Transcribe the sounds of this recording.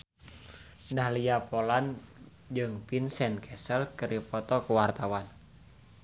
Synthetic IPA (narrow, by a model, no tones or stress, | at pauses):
dahliapɔlan | d͡ʒɨŋpinsɛnkʰɛsəlkɨɾipɔt̪ɔkuwart̪awan